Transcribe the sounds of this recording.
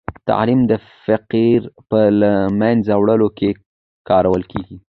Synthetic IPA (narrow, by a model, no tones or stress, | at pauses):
t̪a̰ʕlimd̪ə | fɪqiɾpəlamanzawɽəloke | kɑɾawəlkeɡi